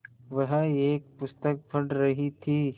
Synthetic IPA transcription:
ʋɐɦeːk̚pʊst̪ək̚bʰʱɐɽɾɐɦit̪ʰiː

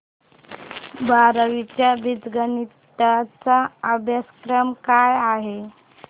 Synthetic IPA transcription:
baɾəʋit͡ɕjabid͡zɡənit̪at͡saːbjəskɾəmkajaɦe

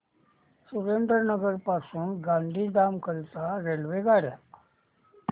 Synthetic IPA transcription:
suɾeɳɖəɾnəɡəɾpasuːnɡãnd̪ʱiːd̪amkəlt̪aɾelʋeɡaɾja̰

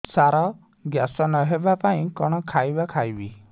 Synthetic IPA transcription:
saɾɔ | ɡjasɔnɔɦebapaĩkɔɽ̃ɔkʰajbakʰajbi

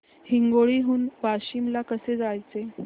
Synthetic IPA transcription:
hiŋɡoɭiːɦuːnbaɕimlakəsed͡zajt͡se

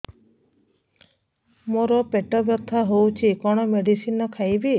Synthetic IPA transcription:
moɾɔpeʈɔbjɔt̪ʰːaɦowt͡ʃʰikɔɽ̃ɔmeɖisinɔkʰajbi

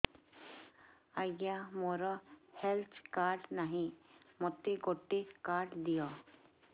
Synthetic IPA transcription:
aɡjamoɾɔhelt̪ʰkaːɾɖnaɦĩ | mɔt̪ːeɡoʈːekaːɾɖd̪ijo

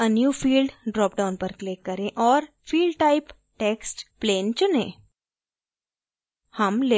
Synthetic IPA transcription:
ənjuːfiːlɖɖɾɔːp̚ɖaːʊnpɐɾklekːɐɾẽʔɔːɾ | fiːlɖʈaɪp | ʈeːksʈpleːnt͡ʃʊnẽː | hɐmle

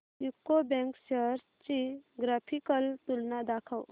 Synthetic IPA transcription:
jukːobɛ̃ŋksəɾst͡ʃiɡɾaːpʰikəlt̪ulnad̪aːkʰəw

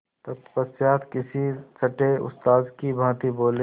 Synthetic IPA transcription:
t̪ɐt̪pəsjaːt̪kɪsisɐʈeʊ̰st̪aːzkibʱãːt̪iboːle

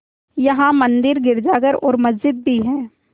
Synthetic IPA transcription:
jɐɦãmɐ̃nd̪ɪɾɡɪɾd͡ʒaːɡəɾɔːɾmɐzd͡ʒɪd̪̚bʱiɦɛ̃ː

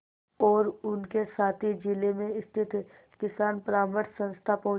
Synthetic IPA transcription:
ɔːɾʊnkesaːt̪ʰid͡ʒɪlemẽɪst̪ʰɪt̪ | kɪsaːnpɾaːməʈsə̃nst̪ʰapɐɦʊ̃

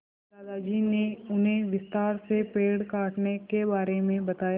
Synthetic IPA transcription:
aːd̪aːd͡ʒiːneʊnɦẽʋɪst̪aːɾsepeːɽkaːʈnekebaːɾemẽbɐt̪aːja

